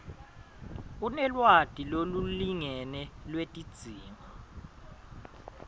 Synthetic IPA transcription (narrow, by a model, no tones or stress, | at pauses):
unɛlwad̥ʱiloluliŋɛnɛlwetʼid̥z̥ʱiːma